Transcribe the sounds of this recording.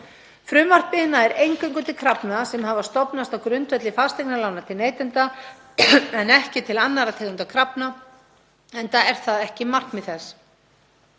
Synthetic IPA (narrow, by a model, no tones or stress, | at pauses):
fɾʏːmar̥pɪɪnːaɛɾejŋkʏŋkʏnt̪ɪkʰɾapnasɛmɦavast̪ɔpnast̪awkɾʏnt̪vɛt̪lɪfast̪ɛknalaːwnat̪ʰɪlneːjt̪ʏnt̪a | ɛnɛhcɪt̪ʰɪlanːaɾat̪ʰeːkʏnt̪akʰɾapna | ɛnt̪aɛɾ̥θaðɛhcɪmar̥knmɪðθɛs